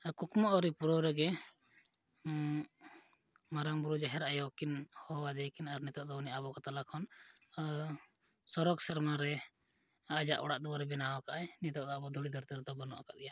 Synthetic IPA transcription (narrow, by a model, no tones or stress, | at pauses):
kukmɔʔɔɾipuɾɔɾɛɡɛ | maɾaŋbuɾud͡ʒaɦɛɾaʔjɔkinhɔwad̪ɛkinaɾnit̪ɔʔd̪ɔniabɔkɔt̪alakʰɔn | sɔɾɔɡsɛɾmaɾɛ | ad͡ʒa̰ʔɔ̰ɽaʔd̪ɔwaɾɛbɛnawakaʔaɛnit̪ɔʔd̪ɔabɔd̪ʱuɽid̪əɾt̪iɾɛd̪ɔbɔnɔʔa̰kaʔd̪ɛja